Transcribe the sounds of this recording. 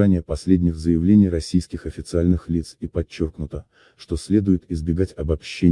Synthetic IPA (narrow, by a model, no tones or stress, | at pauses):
anʲɪjəpɐsʲlʲedʲnʲɪɣzəjɪvlʲenʲɪjrɐsʲijskʲɪxɐfʲɪt̪sɨalʲnɨxlʲit̪sipɐt͡ɕːo̞rknʊt̪ə | ʂt̪o̞sʲlʲe̞d̪ʊjɪt̪ɪzbʲɪɡatʲɐbɐpɕːe